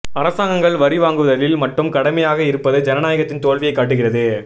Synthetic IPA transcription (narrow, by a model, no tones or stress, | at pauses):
ɐɾɐsaːŋɡɐŋɡɐɭʋɐɾɪʋaːŋɡɯʋɐðɐlɪlmɐʈrɯmkɐɽɐmɐjaːɣɐɪɾɯpːɐðɯd͡ʒɛnɐnaːjɐɣɐt̪ːɪnt̪oːɻʋɪjɐɪkːaːʈ̬ːɯɣɪrɐðɯ